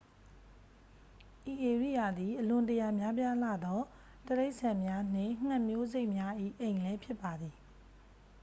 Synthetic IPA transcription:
ʔi˨ʔe˨ɹḭ˦˨ja˨d̪i˨ʔəlʊ̃˨ntəja˨mja˦pja˦la̰˦˨d̪ɔ˦ | t̪əɾe˦ɪʔsʰã˨mja˦n̥ɪ̰̃˦˨ŋ̥ã˦˨mjo˦ze˦ɪʔmja˦ʔḭ˦˨ʔẽ˨ɪ̃lɛ˦pʰjɪ˦pːa˨d̪i˨

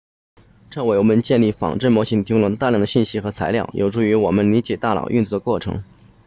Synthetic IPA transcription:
ʈ͡ʂɑ˥˩ʊwe˧˥ɪwɔ˨˩mə˦nt͡ɕjɛ˥˧nli˥˩fɑ̰˨˩ŋʈ͡ʂə˥˩nmwɔ˧˥ɕi˧˥ŋt̪ʰi˧˥ŋlə˧˥ŋt̪a˥˧jɑ˥˩ŋd̪ə˩ɕi˥˩nɕi˧˥xɤ˧˥t͡sʰa˧˥ɪljɑ̰˥˩ʊjʔo˨˩ʊʈ͡ʂu˥˩y˧˥wɔ˨˩mə˦nli˧˥t͡ɕjɛ˨˩t̪a˥˩lɑ̰˨˩ʊʔy˥˧nt͡sɔ˥˩d̪ə˩kwɔ˥˩ʈ͡ʂʰɤ̰˧˥ŋ

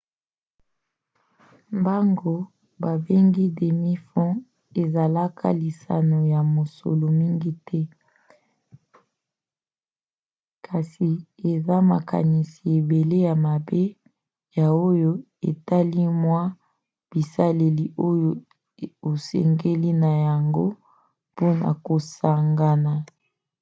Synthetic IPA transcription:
mba˦ŋɡo˦ | ba˨be˦ŋɡi˦de˨mi˦fɔ̃˦ | e˨za˨la˦kʰa̰˦li˨sa̰˨no˨ja˨mo˨so̰˨lo˨mi˦ŋɡi˦tʰɛ˦ | kʰa˨si˨e˨za˦ma̰˨ka̰˨ni˨si˨e˨be˨le˦ja˨ma˨be˦ | ja˨o˦jo˦ | ḛ˨ta˦li˦mwa˦ | b̥i˨sa˦le˨li˨ʔo˦jo˦ | o˨sɛ̰˨ŋɡe˦li˦na˨ja˨ŋɡo˦ | po˦na̰˨ko˨sa˨ŋɡa˨na˨

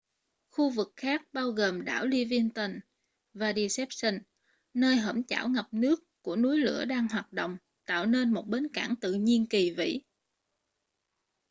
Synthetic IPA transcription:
xu˧vɨ˨˩k̚xaː˦˥k̚ɓaː˧wɣəː˨˩mɗaː˧˩wli˧vi˧ənt̪ə˧˩n | vaː˨˩ɗi˧sɛ˦˥p̚sə˧n | nəː˧jɦə̰˧˩mt͡ɕa̰ː˧˩wŋa˨˩p̚nɨ˦˥əkːu˧˩ənu˨˦jlɨ̰˧˥əɗaː˧ŋɦwaː˨˩t̚ɗo̰˧˨wŋ͡m | t̪a̰ː˧˨wne˧nmo˨˩t̚ɓe˨˦nkaː˧˩ŋt̪ɨ̰˧˨ɲi˧ənki˨˩vḭ˧˥

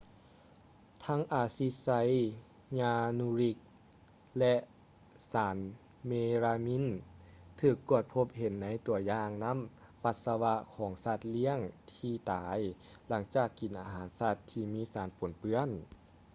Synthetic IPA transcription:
t̪ʰa˧˥ŋʔaː˧˩si˧˥sa˧˥j | ɲaː˧nuː˧ɾi˧˥k̚ | lɛ˧ʔ | saː˩˦n | meː˧ɾaː˧mi˧˥˨nt̪ʰɯː˧˩kːu˧˩ət̪̚pʰo˧˥p̚he˨˦nːa˧˥jt̪u˨˩˦ɐjaː˧ŋna˧˥˨m | pa˧t̪̚sa˧wa˧kʰɔː˩˦ŋsa˧˩t̪̚li˧˥əŋt̪ʰiː˧˩t̪aː˨˦j | la˩˦ŋt͡ɕaː˨˩kːi˨˦nʔa˧ɦaː˩˦nsa˧˩t̪ʰːiː˧miː˧˥˨saː˨˦npo˨˩˦npɯ˧ən

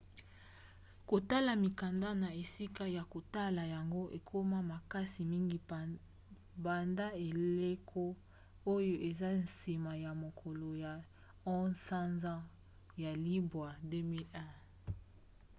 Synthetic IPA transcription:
ko˨ta˦la˨mi˨ka˨nda˦na˨e˨si˦ka˦ja˨ko˨ta˦la˨ja˨ŋɡo˦ʔe˨kʰo˦ma˦ma˨ka˦si˨mi˦ŋɡi˨ | ba˨nda˦e˨le˦kʰo˦ | o˦jo˦ʔe˨za˦n̩si˨ma˨ja˨mo˨kʰɔ˨lo˨ja˨ | ɔ̃˦sã˦nzã˦ | ja˨li˦bwa˨de˦mi˦lɛ̃˦

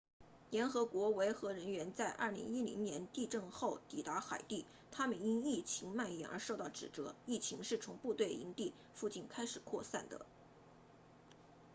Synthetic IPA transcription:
ljɛ˧˥nxɤ˧˥kwɔ˧˥we˧˥ɪxɤ˧˥ɻə˧˥nɥɛ˧˥nt͡sa˥˧ɪʔɐ̰˥˩lḭ˧˥ŋi˥lḭ˧˥ŋnjɛ˧˥nt̪i˥˧ʈ͡ʂɤ˥˧ŋxo˥˩ʊt̪i˨˩t̪a˧˥xa˨˩ɪt̪i˥˩ | t̪ʰa˥mə˨ni˥ni˥˩t͡ɕʰi˧˥ŋma˥˩njɛ̰˨˩nə̰˞˧˥ʂo˥˧ʊt̪ɑ˥˩ʊʈ͡ʂɻ̩˨˩ʈ͡ʂɤ˧˥i˥˩t͡ɕʰi˧˥ŋʂɻ̩˥˩t͡sʰʊ˧˥ŋpu˥˧t̪we˥˩ɪḭ˧˥ŋt̪i˥˩ | fu˥˧t͡ɕi˥˩nkʰa˥ɪʂɻ̩˨˩kʰwɔ˥˧sa̰˥˩nd̪ə̰˩

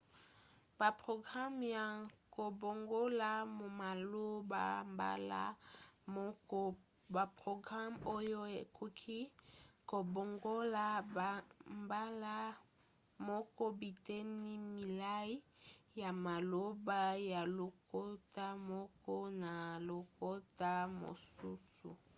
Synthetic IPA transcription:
ba˨pʁo˨ɡʁa˦mja˨ko˨bo˨ŋɡo˦la˦mo˨ma˨lo˦ba˨mba̰˦la̰˦ | ba˨pʁo˨ɡʁa˦mo˦jo˦e˨kʰu˦kʰi˦ko˨bo˨ŋɡo˦la˦ba˨mba˦la˦ | mɔ˦kɔ˦bi˨te˦ni˦mi˨la˦i˦ | ja˨ma˨lo˦ba˦ja˨lo˨ko˦ta˦mɔ˦kɔ˦na˨lo˨ko˦ta˦mo̰˨su˦sṵ˨

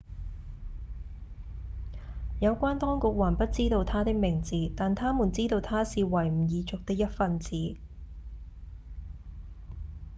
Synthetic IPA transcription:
jɐ˨˧wkʷaː˥nt̪ɔː˥ŋkʊ˨k̚wɐ˨˩npɐ˥t̚t͡siː˥t̪o˧wt̪ʰaː˥t̪ɪ˥k̚mɪ˨˩ŋt͡siː˨t̪aː˨nt̪ʰaː˥muː˨˩nt͡siː˥t̪o˧wt̪ʰaː˥siː˨wɐ˨˩jm̩˨˩jiː˨˧t͡sʊ˨k̚t̪ɪ˥k̚jɐ˥t̚fɐ˧nt͡siː˨˥

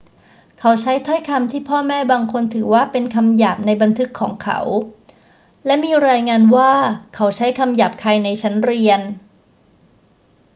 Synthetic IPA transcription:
kʰa˦˥wt͡ɕʰa˦˥jt̪ʰɔ˥˩jkʰa˧mt̪ʰiː˥˩pʰɔː˥˩mɛː˥˩baː˧ŋkʰo˧nt̪ʰɯː˩˦waː˥˩pe˧nkʰa˧mjaː˨˩p̚na˧jba˧nt̪ʰɯ˦˥kʰːɔː˩˦ŋkʰa̰˧˦˩w | lɛ˦˥miː˧ɾaː˧jŋaː˧nwaː˥˩kʰa˦˥wt͡ɕʰa˦˥jkʰa˧mja˨˩p̚kʰaː˧jna˧jt͡ɕʰa˦˥nɾi˧ən

